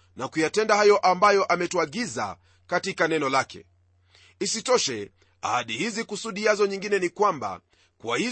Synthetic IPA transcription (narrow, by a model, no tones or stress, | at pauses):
nakujatɛndahajɔʔambajɔʔamɛtuaɠiza̰ | katikanɛnɔlakʰɛ̰ | isitɔʃɛ | a̰haɗihizikusuɗiazɔɲiŋɡinɛnikwamba̰ | kwahi